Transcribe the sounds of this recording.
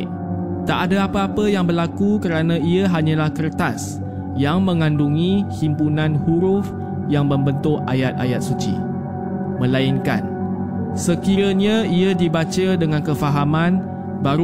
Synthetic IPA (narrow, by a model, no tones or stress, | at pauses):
t̪aʔadaapaapəjaŋbərlakukəɾanãiəɦaɲãlahkərt̪as | jaŋmə̃ŋãnduŋĩhimpunãnhuɾʊf | jaŋməmbənt̪ʊʔa̰jat̪̚a̰jat̪̚sut͡ʃḭ | mə̃lainka̰n | səkiɾəɲãiadibat͡ʃədəŋãnkəfaɦamãn | baɾ